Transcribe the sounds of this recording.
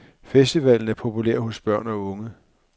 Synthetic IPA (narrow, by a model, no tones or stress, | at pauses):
fesd̥iʋɛln̩æɐpʰo̝pʰuleɐ̰ho̽sb̥ɶɐ̰nɒ̽ɔ̽ŋə